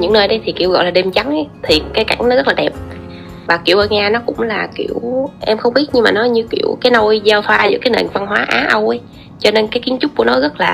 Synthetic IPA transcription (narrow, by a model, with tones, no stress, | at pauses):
ɲɨ̰˧˥ŋnəː˧jɗə˨˦jt̪ʰi˨˩kḭ˧˩əwɣɔ̰˧˨jlaː˨˩ɗe˧˩mt͡ɕa˨˦ŋ˨˦t̪ʰi˨˩kaː˨˦jka˧˩jŋ̟nɔ˨˦zt̚laː˨˩ɛ˨˩p̚ | vaː˨˩ki˧˩əwʔəː˧˩ɲaː˧nɔ˨˦kʊ̰˧˥ŋ͡mlaː˨˩ki˧˩əwʔɛ˧mxə˧wŋ͡mɓi˦˥ət̚ɲɨ˧maː˨˩nɔ˨˦ɲɨ˧kḭ˧˩əwkaː˨˦jno˧jzaː˧wt̪ʰwaː˧zɨ̰˧˥kaː˨˦jnḛ˧˨nva˧nɦwaː˨˦ʔa̰ː˨˦ʔə˧wʔə˨˦j | t͡ɕɔ˧ne˧nkaː˨˦jki˨˦ənt͡ɕʊ˦˥k͡p̚ku˧˩ənɔ˨˦ɣə˦˥t̚laː˨˩